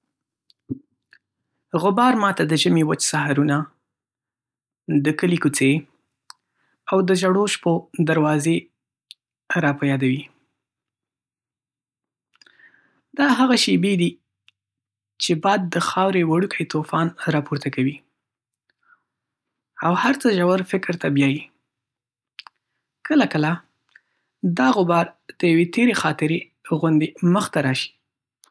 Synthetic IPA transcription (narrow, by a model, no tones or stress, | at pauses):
ɣʊbɑɾmɑt̪ad̪əʒamewat͡ʃsaɦaɾuna | d̪əkəlikut͡se | awd̪əʒaɽoʃpod̪aɾwɑze | ɾɑpajɑd̪awi | d̪ɑɦaɣaʃebed̪i | t͡ʃebɑjad̪ːəxɑwɾewaɽukʰajt̪ofɑnɾɑpoɾt̪akawi | awhaɾt͡səʒawaɾfɪkɾt̪abjɑji | kʰəlakəla | d̪ɑɣʊbɑɾd̪̥əjawet̪eɾexɑt̪ɪɾe | ɣʊnd̪eməxt̪aɾɑʃi̥